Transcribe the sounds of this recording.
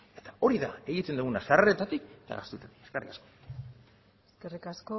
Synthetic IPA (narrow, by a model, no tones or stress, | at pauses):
e̞̥t̪ḁo̞ɾiðae̞ɣit̪e̞nd̪uɣunasaret̪at̪iket̪a̰ɣa̰st̪uet̪at̪i̥kekerḭkasko̞ | eskerikasko